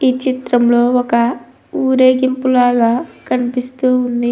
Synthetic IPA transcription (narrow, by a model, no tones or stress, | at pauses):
iːt͡ʃit̪ɾɐmlo̞ːɔkɐ | uːɾeːɡimpulaːɡaːkʰɐnipist̪uːund̪i